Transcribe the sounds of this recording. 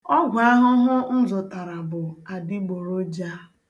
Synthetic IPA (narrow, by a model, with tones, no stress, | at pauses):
ɔ˦ɡʷa˦ɦʊ˦ɦʊ˦n̩˦zʊ˨ta˨ɾa˨bʊ˨a˨dɪ˦ɡ͡bo˨ɾo˦d͡ʒa˦